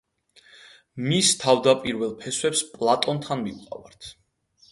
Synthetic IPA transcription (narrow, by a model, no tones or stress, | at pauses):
mist̪ʰavd̪apʼiɾvɛlˠpʰɛswɛpspʼlˠat̪ʼɔnt̪ʰanmiqʼa̰va̰ɾt̪ʰ